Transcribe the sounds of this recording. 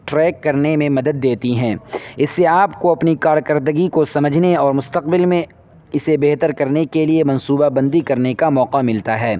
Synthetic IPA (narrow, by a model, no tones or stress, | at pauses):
ʈɾɛːkːɐɾnemẽmɐd̪əd̪̚ːeːt̪iɦɛ̃ːɪsːeaːpkoɐpnikaːɾkɐɾd̪əɡikosɐməd͡ʒʱneɔːɾmʊst̪əq̚bɪlmẽ | ɪsebɛɦt̪əɾkɐɾnekeliemɐ̃nsuːbabɐ̃nd̪ikɐɾnekamɔːqamɪlt̪aɦɛː